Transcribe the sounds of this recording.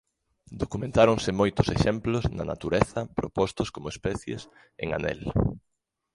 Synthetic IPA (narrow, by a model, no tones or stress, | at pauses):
d̪okumẽnt̪aɾoŋsɪmojt̪ʊseʃɛmplʊznɐ̰na̰t̪uɾɛθɐpɾopɔst̪ʊskomoespɛθjḛs | ḛŋa̰nɛ̰l